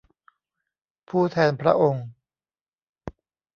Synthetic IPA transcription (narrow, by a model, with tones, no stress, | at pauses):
pʰuː˥˩t̪ʰɛː˧npʰɾa̰˦˥ʔo˧ŋ